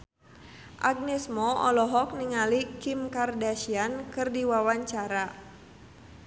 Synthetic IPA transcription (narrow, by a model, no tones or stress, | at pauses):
ʔaɡ̚nɛsmɔɔ̰lɔɦɔk̚niŋalikimkardaʃiankɨrdiwawaɲt͡ʃaɾa